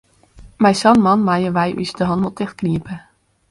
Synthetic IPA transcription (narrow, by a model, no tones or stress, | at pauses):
mɛjsɑnmɑnmajəʋɛjʔy̰sdəɦɑnʋɔtɪxt̚kniəpə